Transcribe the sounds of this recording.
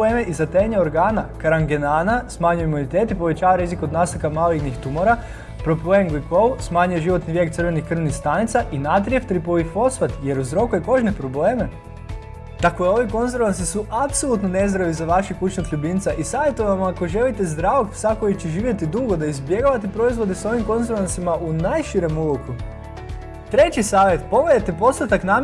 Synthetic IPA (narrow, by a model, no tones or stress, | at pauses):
emeʔizat̪eɲeoɾɡaːnakaɾaŋɡenaːnasmaɲujeimunit̪eːt̪ipo̞ʋe̞t͡ɕaːʋaɾizikod̪nast̪akamaːliɡnixt̪umoɾa | pɾo̞pleŋɡikousmaːɲujeʒiʋo̞t̪niʋʲjek̚t̪sɨɾʋe̞nixkr̩ʋnixst̪anit̪saʔinat̪̬ɾijeft̪ɾipoʋifo̞sfat̪je̞ɾuzɾo̞kujeko̞ʒnepɾo̞bleːme | t̪akoeo̞ʋiko̞nzeɾʋans̬isuʔapso̞lˠut̪none̞zd̪ɾaʋizaʋaʃikut͡ʃnokʎubint̪saʔisaːʋje̞t̪oʋamako̞ʒe̞lit̪ezd̪ɾaʋoksako̞jit͡ɕeʒiːʋje̞t̪id̪uɡo̞d̪aizbje̞ɡoʋat̪epɾo̞izʋo̞d̪eso̞ʋimko̞nzeɾʋansimaʔunajʃiɾemuloku | t̪ɾe̞t͡ɕisaːʋjet̪po̞ɡleet̪epo̞st̪at̪aknaːm